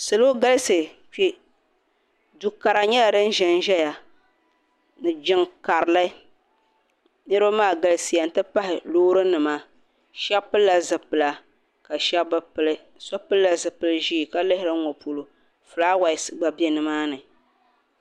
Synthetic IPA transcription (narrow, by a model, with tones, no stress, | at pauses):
sɨ˨lo˦ɡa˦lsɨ˨ | t͡ʃi˦ | du˨ka˨ɾa˨ɲɛ˦la˨dɨ˦n˦ʒɛ˦nʒɛ˦ja˨ | nɨ˨d͡ʒɪ˦ŋka˨ɾla˦ | nɨ˦ɾɨ˦maː˦˨ɡa˨lɨ˦si˨ja˨n̩˨tɨ˦pa˦hɪ˨loː˦ɾɨ˦nɨ˨ma˦ | ʃɛ˦pɨ˦lːa˨zɨ˨pɨ˨la˨ | ka˨ʃɛ˦bɨ˦pɨ˨lɨ˦ | sɔ˦pɨ˦lːa˨zɨ˨pɨ˦lɨ˦ʒiː˦˨ka˦lɨ˦hɪ˦ɾɨ˦ŋɔ˨pu˨lo˨ | fɨ˨laː˦wa˨ɪ˨sɨ˨ɡ͡ba˨bɛ˦nɨ˨maː˦nɨ˨